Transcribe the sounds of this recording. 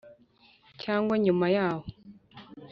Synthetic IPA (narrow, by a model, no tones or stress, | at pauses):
caːŋɡwaɲumajaːho